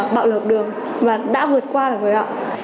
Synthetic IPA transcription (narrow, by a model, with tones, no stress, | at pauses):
ɓa̰ː˧˨wləː˨˩p̚ɗɨ˨˩əŋ | vaː˨˩ɗa̰ː˧˥vɨ˨˩ət̚kwaː˧laː˨˩vəː˨˦hɔ̰˧˨w